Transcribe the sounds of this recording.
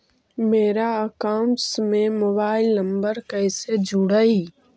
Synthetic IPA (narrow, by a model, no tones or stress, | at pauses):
meːɾaəkaːʊ̃nʈsmẽmoːbaːɪlnə̃mbəɾkəːsed͡ʒʱʊɽai